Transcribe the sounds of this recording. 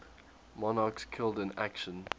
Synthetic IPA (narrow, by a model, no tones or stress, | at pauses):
mɔnɑkskʰɪlˠdɪ̃na̰kʃə̃n